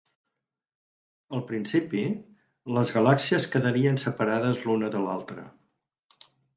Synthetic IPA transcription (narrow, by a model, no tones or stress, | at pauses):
əlˠpɾinsipi | ləzɣəlaksiəskəðəɾiənsəpəɾaðəzlunəðəlalˠt̪ɾə̰